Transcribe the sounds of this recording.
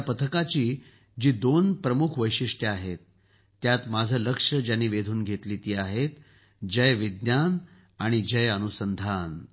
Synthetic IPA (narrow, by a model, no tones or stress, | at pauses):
pət̪ʰəkat͡ɕiː | d͡ʑiːd̪onpɾəmukʰʋəjɕiʂʈjəaɦet̪ː | jat̪mad͡zʱələkʂəd͡ʑjanːiːʋed̪ʱuːnɡʱet̪liːt̪iːaɦet̪ | d͡ʑəjʋid̪njan | aɽ̃id͡ʑəjənusənd̪ʱan